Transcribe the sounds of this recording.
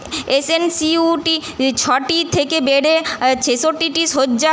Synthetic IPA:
esensiuʈit͡ɕʰɔʈit̪ʰekebeɽet͡ɕʰeʃoʈiʈiʃoːd͡ʑa

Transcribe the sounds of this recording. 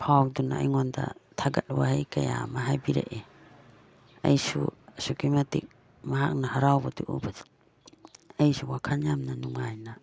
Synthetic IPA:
pʰawk̚dunaajŋɔnda̰tʰaɡat̚wa̰hajkaja̰maɦajbiɾḛʔe | a̰jsṵsukimatik̚ | maɦak̚nahaɾawbatuʔṵbat | ajsuwakʰanjamnanuŋajna

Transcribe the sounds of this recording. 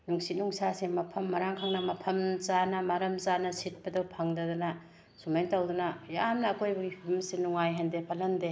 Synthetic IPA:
nuŋsit̚nuŋsasemɐpʰɐmːɐɾaŋkʰaŋnɐmɐpʰɐmzanɐmaɾɐmzanɐsit̚pɐdopʰaŋdɐdunɐ | sumajntawdunɐjamnɐːkojbɐipʰmsenuŋajɦɐndepʰɐlɐnde

